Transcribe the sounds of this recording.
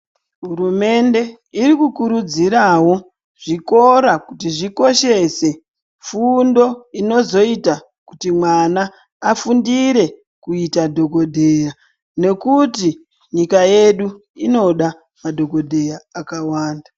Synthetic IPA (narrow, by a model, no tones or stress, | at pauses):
ɦuɾume̞nde̞ | iɾikukuɾud͡ziɾawo̞ | ʐ̥iko̞ɾakutiʐiko̞ʃe̞se̞ | fundo̞ino̞zo̞ita | kutimwanaː | fundiɾe̞ | kuitadʱo̞ko̞dʱe̞ja | ne̞kuti | ɲikaje̞ɗu | ino̞ɗa | madʱo̞ko̞dʱe̞jaːkawaːnda